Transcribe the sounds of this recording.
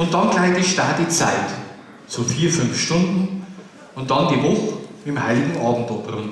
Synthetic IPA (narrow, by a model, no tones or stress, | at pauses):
ʊnt̚d̥ɑnklaɪdiʃtaɐtit͡sa̰ɪt | soːfiːɐfʏnfʃtʊndn̩ | ʊnt̚d̥ɑndivɔxɪmha̰ɪlɪɡŋ̩ʔɑːbm̩tɔprʊn